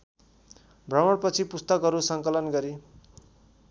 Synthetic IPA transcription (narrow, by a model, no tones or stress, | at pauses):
brʌmʌɽpʌt͡sʰipust̪ʌkɦʌɾusʌŋkʌlʌnɡʌɾi